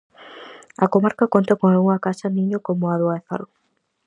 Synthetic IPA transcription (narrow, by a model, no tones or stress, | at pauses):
ɐkomaɾkɐkont̪ɐkoŋauŋɐkasɐnĩɲokomoaðoaeθa̰l